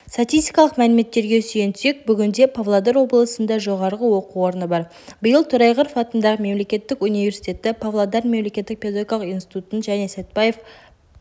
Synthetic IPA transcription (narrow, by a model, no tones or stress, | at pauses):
sat̪ijst̪i̥kɑlˠəqmælɪme̞t̪ːe̞ɾɡʲe̞sʏjent̪ʰʏse̞k̚bʏɡʲɪnd̪e̞pʰavlˠad̪eɾwo̞blˠəsənd̪ɑʒo̞ʁɑɾʁəwo̞quwo̞ɾənəbɑɾ | bəjəlˠt̪ʰʊɾɑjʁəɾfɑt̪ənd̪ɑʁəme̞mle̞kʲe̞t̪ːɪkunivʲe̞ɾsi̥t̪ʲe̞t̪ɪpʰavlˠad̪ɑɾme̞mle̞kʲet̪ːɪk̚pʲeoɡʲkalˠəqijnsi̥t̪ut̪ənʒæne̞set̪̚pɑje̞f